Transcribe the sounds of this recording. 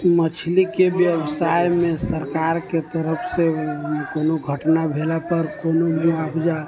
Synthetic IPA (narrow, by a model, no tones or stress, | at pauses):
mət͡ʃʰlikebjəbsajmẽsəɾkaɾket̪əɾəpʰsekonoɡʱəʈnabʱelapəɾkonomeabʰd͡ʒa